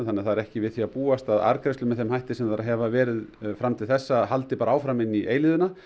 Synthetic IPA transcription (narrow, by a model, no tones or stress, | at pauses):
θanɛaθaðɛɾɛhcɪvɪðθiapuːast̪aða̰ɾkɾɛst̪ʏmɛðθɛmhajht̪ɪsɛmθaɾaɦɛvavɛːɾɪðfɾamt̪ʰɪlθɛsːaɦal̪t̪ɪpaːɾaaːwfɾamɪnːiʔejlɪðʏna